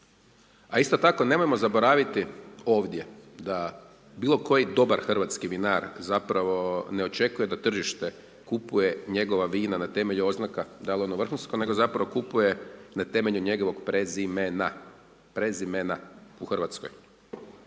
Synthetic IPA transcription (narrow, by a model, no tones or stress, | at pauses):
aist̪o̞t̪ako̞ne̞mojemo̞zabo̞ɾaːʋit̪io̞ːʋd̪ʲje̞d̪a | biːlˠo̞ko̞jid̪o̞baɾxr̩ʋat̪skiʋinaɾzapɾaʋo̞neo̞t͡ʃe̞kujed̪at̪r̩ʒiʃt̪e̞ | kupuje̞ɲe̞ɡo̞ʋaʋiːnanat̪e̞me̞ʎuo̞znakad̪aleonuʋr̩xunskone̞ɡo̞zapɾaʋo̞kupuje̞nat̪e̞me̞ʎuɲe̞ɡo̞ʋo̞ɡpɾezimena | pɾezimenauxrʋat̪skoj